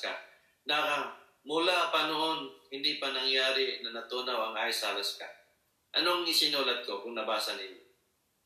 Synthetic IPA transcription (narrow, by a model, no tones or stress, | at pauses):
ka̰ | naʔɐ | mʊlapɐnoʔo̞nhɪnd̪ipɐnɐŋjaːɾɪnɐnɐt̪uːnawɐŋʔajsaːlɐska̰ | ʔɐnoŋɪsɪnuːlɐd̪̚kokʊŋnɐbaːsɐnɪɲo